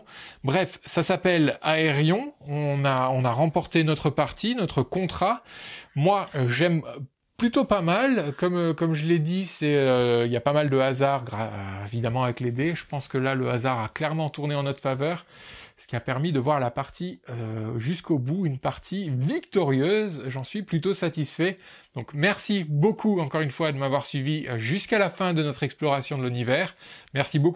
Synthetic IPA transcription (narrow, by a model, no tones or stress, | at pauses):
bʁɛfsasapɛlaeʁjɔ̃ɔ̃naɔ̃naʁɑ̃pɔʁt̪enɔt̪χəpaʁt̪inɔt̪χəkɔ̃t̪χamwaʒɛm | plyt̪opamalkɔmkɔmʒəled̪isɛøiljapamald̪əazaʁɡʁaevid̪amɑ̃avɛkled̪eʒəpɑ̃skəlaləazaʁaklɛʁmɑ̃t̪uʁneɑ̃nɔt̪χə̥favœʁsə̥kʲiapɛʁmid̪əvwaʁlapaʁt̪iøʒyskobuynpaʁt̪ʰivikt̪ɔʁjøzʒɑ̃sɥiplyt̪osat̪isfɛ | d̪̥ɔ̃kmɛʁsibokʰuɑ̃kɔʁynfwad̪əmavwaʁsɥiviøʒyskalafɛ̃d̪ənɔt̪χɛksplɔʁasjɔ̃d̪əlynivɛːʁmɛʁsibok